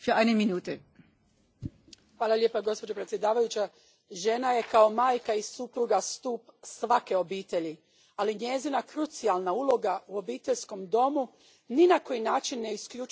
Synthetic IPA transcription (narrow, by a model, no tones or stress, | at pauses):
fyːɐʔaɪnəminuːtə | xʋaːlˠalʎʲe̞ːpaɡo̞spo̞d͡ʑo̞pɾet̪sje̞d̪aːʋajut͡ɕa | ʒe̞naje̞kao̞maːjkaisupɾuɡast̪uːpsʋake̞o̞biːt̪e̞ʎi | aliɲe̞zinakɾut̪sialˠnaulˠo̞ɡauo̞biːt̪e̞ʎʲsko̞md̪o̞mu | ninako̞jinaːt͡ʃinːeiskʎu